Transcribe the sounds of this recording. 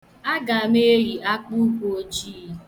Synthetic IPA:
a˦ɡa˨me˦ɾi˨ʔa˦k͡pu˦ko˨o˦t͡ʃiː˦˨

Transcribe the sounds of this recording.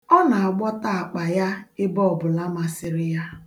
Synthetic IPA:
ɔ˦na˨a˨ɡ͡bɔ˦ta˦a˨k͡pa˨ja˦ɪ˦bɔ˦ɔ˨bʊ˨la˦ma˨sɪ˦ɾɪ˦ja˦

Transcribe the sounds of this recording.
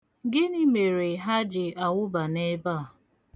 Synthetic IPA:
ɡɪ˦ni˦me˨ɾe˨ɦa˦d͡ʒɪ˨a˨wʊ˦ba˨ne˦ba˦˨

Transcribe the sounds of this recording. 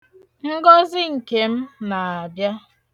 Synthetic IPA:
ŋ̩˦ɡɔ˦zɪ˦ŋ̩˨ke˨m̩˦na˨a˨bja˦

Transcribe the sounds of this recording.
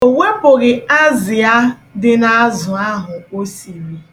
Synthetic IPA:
o˨we˦pʊ˨ɣɪ˨a˦zɪ˨a˦dɪ˦na˦zʊ˨a˦ɦʊ˨o˦si˨ɾi˨

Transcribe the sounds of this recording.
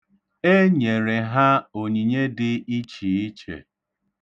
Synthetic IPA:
e˦ɲe˨ɾe˨ɦa˦o˨ɲi˨ɲe˦dɪ˦i˦t͡ʃi˨i˦t͡ʃḛ˨

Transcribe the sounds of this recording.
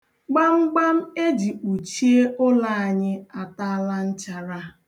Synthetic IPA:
ɡ͡ba˦ŋ͡m̩˦ɡ͡ba˦m̩˦e˦d͡ʒi˨k͡pu˨t͡ʃi˦e˦ʊ˦la˦a˨ɲɪ˦a˨ta˦a˦la˦n̩˦t͡ʃa˨ɾa˦

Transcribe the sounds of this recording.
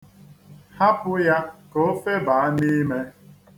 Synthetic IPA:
ha˦pʊ˦ja˦ko˦fe˦ba˨a˦ni˦me˦

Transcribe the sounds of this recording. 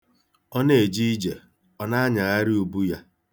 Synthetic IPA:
ɔ˦ne˨d͡ʒi˦i˦d͡ʒe˨ | ɔ˦na˦a˦ɲa˨ɣa˦ɾi˦o˨bu˦ja˦

